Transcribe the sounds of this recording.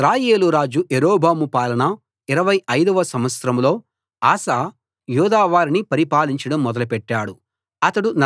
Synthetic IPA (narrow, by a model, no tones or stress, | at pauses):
ɾaːjeːluɾaːd͡ʒuʔeɾoːbʱaːmupaːlɐɳɐ | iɾɐʋɐjɐjd̪ɐʋɐsɐmʋɐt̪sɾɐmlo̞ː | aːsaː | juːd̪aːʋaːɾinipɐɾipaːliɲt͡ʃɐɽɐmːɔd̪ɐlɐpɛʈːaːɽu | ɐt̪ɐɽun